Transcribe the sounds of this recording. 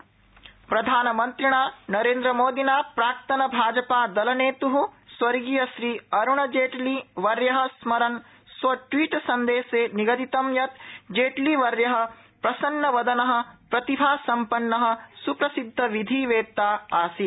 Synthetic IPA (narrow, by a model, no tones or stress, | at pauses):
pɾɐd̪ʱaːnɐmɐnt̪ɾiɳ̃aːnɐɾẽːnd̪ɾɐmoːd̪inaːpɾaːɾt̪ɐnɐbʱaːd͡ʒɐpaːd̪ɐlɐneːt̪uɦuswɐɾɡijɐʃɾiːɐɾuɳ̃ɐd͡ʒeːʈliʋɐɾjɐɦɐ̆smɐɾɐn | sʋɐʈʋiːʈsɐnd̪eːseːniɡɐd̪it̪ɐmjɐt̪d͡ʒeːʈliʋɐɾjɐɦɐ̆ | pɾɐsɐnːɐʋɐd̪ɐnɐɦɐ̆pɾɐt̪ibʱaːsɐmpɐnːɐɦɐ̆supɾɐsid̪ʱːɐʋid̪ʱiːʋeːt̪aːaːsi